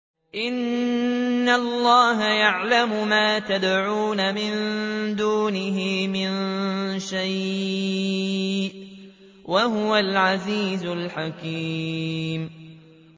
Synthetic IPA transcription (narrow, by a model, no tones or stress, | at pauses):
ʔɪnː | alːɑːɦajaʕlamʊmaːt̪ad̪ʕuːnamɪnd̪uːnɪɦɪmɪnʃaj | ʔ | waɦʊwalʕaziːzʊlħakiːm